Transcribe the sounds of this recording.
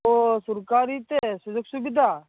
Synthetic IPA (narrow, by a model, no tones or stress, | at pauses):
osʊɾkaːɾit̪esʊd͡ʒʊksʊbɪd̪ʱaː